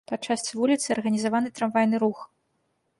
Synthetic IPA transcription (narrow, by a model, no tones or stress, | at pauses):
pɐt͡ʂːasʲt͡sʲvulʲit̪sɨɐrɣɐnʲizavanɨt̪ɾamvajnɨɾux